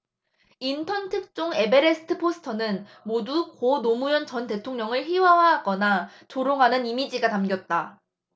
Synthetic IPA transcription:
intʰʌntʰɯk̚t͡ɕ͈oŋe̞be̞ɾe̞sʰɯ̥tʰɯpʰosʰɯ̥tʰʌnɯnmodukonomujʌnt͡ɕʌnte̞tʰoŋɲʌŋɯɭɸiwawaɦaɡʌna | t͡ɕoɾoŋɦanɯnimid͡ʑiɡatamɡʲjʌt̚t͈a

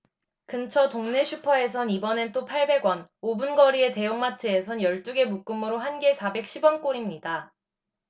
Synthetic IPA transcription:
kɯnt͡ɕʰʌtoŋne̞ɕʰupʰʌe̞s̬ʰʌnibʌne̞t͈opʰaɭbe̞ɡwʌnobunɡʌɾie̞te̞joŋmatʰɯesʰʌnjʌɭt͈uɡe̞muk͈ɯmuɾoɦanɡe̞sʰabe̞k̚ɕʰibwʌnk͈oɾimɲida

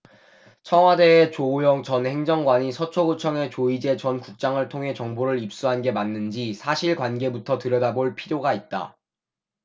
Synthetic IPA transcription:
t͡ɕʰʌŋɦwade̞ːt͡ɕojʌŋt͡ɕʌnhe̞ŋd͡ʑʌŋɡwaɲisʰʌt͡ɕʰoɡot͡ɕʰʌŋe̞t͡ɕoid͡ʑe̞t͡ɕʌnkuk̚t͡ɕ͈aŋɯɭtʰoŋɦe̞t͡ɕʌŋboɾɯɾip̚s͈uɦanɡe̞manːɯnd͡ʑisʰaɕʰiɭkwanɡe̞butʰʌtɯɾjʌdaboɭpʰiɾjoɡait̚t͈a̰

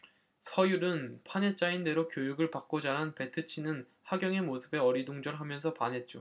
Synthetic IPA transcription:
sʰʌjuɾɯnpʰane̞t͡ɕ͈ainde̞ɾokjojuɡɯɭpak͈̚od͡ʑaɾɦanpe̞tʰɯt͡ɕʰinɯn | haɡjʌŋe̞mosʰɯbe̞ʌɾidoŋd͡ʑʌɭɦamjʌns̬ʰʌpanɦe̞t̚t͡ɕ͈o

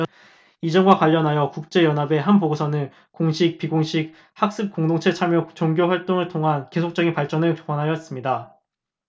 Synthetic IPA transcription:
id͡ʑʌŋɡwakwaʎːʌnɦajʌkuk̚t͡ɕ͈e̞jʌnɦabe̞ɦanpoɡosʰʌnɯn | koŋɕʰik̚piɡoŋɕʰik̚ | hak̚s͈ɯp̚k͈oŋdoŋt͡ɕʰe̞t͡ɕʰamjot͡ɕoŋɡjoɸwaɭt͈oŋɯɭtʰoŋɦanke̞sʰok̚t͡ɕ͈ʌɡinpaɭt͡ɕ͈ʌnɯɭkokwanɦajʌs͈ɯmɲida

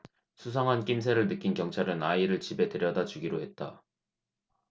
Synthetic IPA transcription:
sʰusʰaŋɦank͈imsʰeɾɯɭnɯk͈inkjʌŋt͡ɕʰaɾɯnaiɾɯɭt͡ɕibe̞tɯɾjʌdad͡ʑuɡiɾoɦe̞t̚t͈a

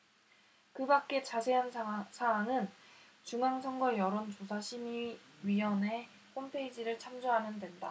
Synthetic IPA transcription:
kɯbak̚k͈e̞t͡ɕasʰe̞ɦansʰaanɯn | t͡ɕuŋaŋsʰʌŋɡʌjʌɾont͡ɕosʰaɕʰimiɥiɦʌnɦe̞ | ɸompʰe̞id͡ʑiɾɯɭt͡ɕʰamd͡ʑoɦanɯndwe̞nda̰

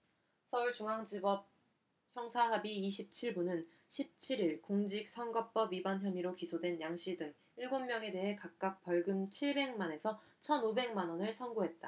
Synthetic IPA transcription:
sʰʌuɭt͡ɕuŋɦaŋd͡ʑibʌp̚ | çjʌŋsʰaɦabiːɕ̬ʰip̚t͡ɕʰiɭbunɯn | ɕʰip̚t͡ɕʰiɾiɭkoŋd͡ʑik̚sʰʌŋɡʌp͈ʌbɥibançjʌmiɾokisʰodwe̞njaŋɕ͈ʰidɯŋ | iɭɡomːjʌŋe̞de̞ɦe̞kak̚k͈ak̚p͈ʌɭɡɯmt͡ɕʰiɭbe̞ŋmane̞sʰʌ | t͡ɕʰʌnobe̞ŋmanʌnɯɭsʰʌnɡoɦe̞t̚t͈a

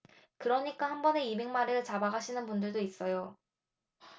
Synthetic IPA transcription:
kɯɾʌɲik͈ahanbʌne̞ime̞ŋmaɾeɯɭt͡ɕabaɡaɕʰinɯnpundɯɭdois͈ʌjo

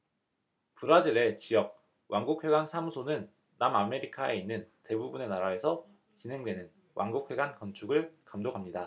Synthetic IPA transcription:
puɾad͡ʑiɾe̞t͡ɕijʌk̚ | wʔaŋɡuk̚ʰwe̞ɡansʰamusʰonɯnː | amame̞ɾikʰae̞inːɯnte̞bubune̞naɾae̞sʰʌ | t͡ɕinɦe̞ŋdwe̞nɯn | wʔa̰ŋɡuk̚ɸwe̞ɡankʌnt͡ɕʰuɡɯɭkamdoɡɦamɲida

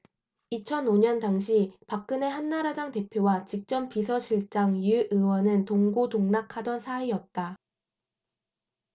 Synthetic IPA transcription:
it͡ɕʰʌnoɲʌndaŋɕ̬ʰipak̚k͈ɯne̞ɦanːaɾadaŋte̞pʰjowat͡ɕik̚t͡ɕ͈ʌmpisʰʌɕʰiɭt͡ɕ͈aŋjuʔɯwʌnɯntoŋɡodoŋnakʰadʌnsʰaijʌt̚t͈a

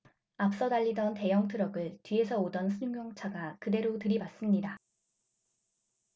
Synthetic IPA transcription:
ap̚s͈ʌdaʎːidʌnte̞jʌŋtʰɯɾʌɡɯɭtɥie̞s̬ʰʌodʌnsʰuɲŋjoŋt͡ɕʰaɡakɯde̞ɾotɯɾibas͈ɯmɲida

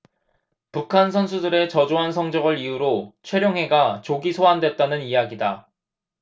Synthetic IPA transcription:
pukʰansʰʌnsʰudɯɾe̞t͡ɕʌd͡ʑoɦansʰʌŋd͡ʑʌɡɯɾijuɾot͡ɕʰwe̞ɾjoŋɦe̞ɡat͡ɕoɡisʰoɦandwe̞t̚t͈anɯnijaɡida

